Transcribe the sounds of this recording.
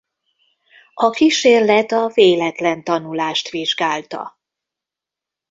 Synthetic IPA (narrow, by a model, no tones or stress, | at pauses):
ɒkiʃeːrlɛt̪ɒveːlɛt̪lɛnt̪ɒnulaːʃt̪ʋiʒɡaːlt̪ɒ̰